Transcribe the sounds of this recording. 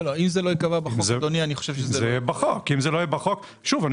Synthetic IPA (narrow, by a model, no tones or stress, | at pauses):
loimzelo̞ikavabaχozed̪onianiχoʃevʃezzeejɛbaχokːimzelojebaχok | ʃuvan